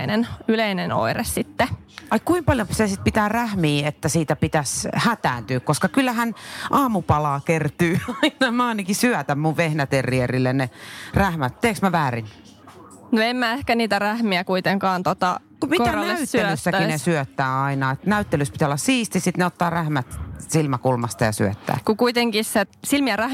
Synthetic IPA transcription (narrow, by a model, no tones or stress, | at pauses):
nenyleineno̰iressit̪ːe | ɑikkuimpɑljopsesit̪̚pit̪æːræhmiːet̪ːæsiːt̪æpit̪æshæt̪æːnt̪yːkkoskɑkylːæɦænʔɑːmupɑlɑːkert̪yːɑinɑmæɑinɑkisyæt̪æmmuʋʋehnæt̪erierilːenneræhmæt̪t̪eːksmæʋæːrin | noemmæehkæniːt̪æræhmiækuit̪eŋkɑːnt̪ot̪ɑ̰ | kumikoænesytseølysːækinesyøt̪ːæːɑinɑet̪næyt̪ːelyspi̥t̪iolːɑssiːst̪isit̪neot̪ːɑːræhmæt̪silmækulmɑst̪ɑjɑ̰syøt̪ːæ̰ːkukuit̪eŋkissetsilmiæræh